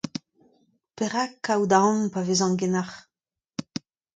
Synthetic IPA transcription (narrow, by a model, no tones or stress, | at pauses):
peʁakːawd̪aɔ̃npavezɑ̃ŋɡenaχ